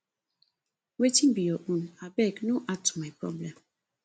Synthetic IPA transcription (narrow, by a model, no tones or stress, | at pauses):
wetĩnbijɔʔũnabɛknoʔatu̥mapɾɔ̰blɛ̃m